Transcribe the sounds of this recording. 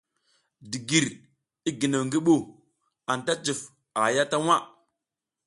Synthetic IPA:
di˨ɡi˨ɾ | i˦ɡi˨na˨ŋɡi˦ɓo˦ | a˨nta˦t͡ʃi˨f | a˨ja˦ta˦wa˦

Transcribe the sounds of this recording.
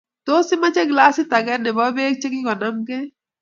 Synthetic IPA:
t̪oː˦si˦mɐ˦t͡ʃe˦ɡlaː˦si˦t̪a˨ɡɛ˦ne˨bɔbeː˦k̚t͡ʃe˦ki˦kɔ˨na˦mke

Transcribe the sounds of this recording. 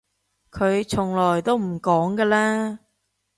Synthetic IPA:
kʰɵ˨˧ɥt͡sʰʊ˨˩ŋlɔː˨˩jt̪o˥wm̩˨˩kɔː˨˥ŋkəː˧laː˥

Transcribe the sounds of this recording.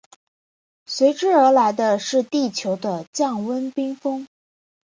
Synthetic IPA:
swe˧˥ɪʈ͡ʂɻ̩˥ə˞˧˥la˧˥ɪd̪ə˧ʂɻ̩˥˧t̪i˥˩t͡ɕʰjo˧˥ʊd̪ə˧t͡ɕjɑ˥˩ŋwə˥npi˥ŋfɤ˥ŋ

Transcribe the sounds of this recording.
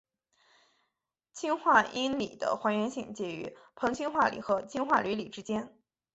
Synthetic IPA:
t͡ɕʰi˥nxwa˥˩ʔi˥nlḭ˨˩d̪ə̰˦xwa˧˥ɥɛ˧˥nɕi˥˩ŋt͡ɕjɛ˥˩y̰˧˥pʰɤ˧˥ŋt͡ɕʰi˥nxwa˥˩lḭ˨˩xɤ˧˥t͡ɕʰi˥nxwa˥˩ly˧˥li˨˩ʈ͡ʂɻ̩˥t͡ɕjɛ˥n

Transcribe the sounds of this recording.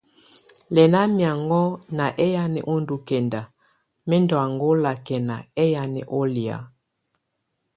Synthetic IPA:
lɛ˨na˦mja˨ŋɡɔ˦na˨ʔɛ˦ja˦nɛ̰˨ʔo˦ndu˨kɛ˨nda˨ | mɛ˦ndɔ˨a˨ŋɡo˦la˨kɛ˨na̰˨ɛ˦ja˨nɛ̰˨ʔɔ˦li˨a̰˨˦

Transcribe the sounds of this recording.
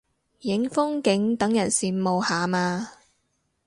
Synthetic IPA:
jɪ˨˥ŋfʊ˥ŋkɪ˨˥ŋt̪ɐ˨˥ŋjɐ˨˩nsiː˨˩mo˨whaː˨maː˧

